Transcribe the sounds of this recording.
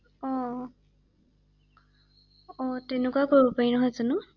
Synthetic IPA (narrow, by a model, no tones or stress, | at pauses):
ɔ | ɔtenʊkuwakoɹɔpaɹinɔɦɔjzanʊ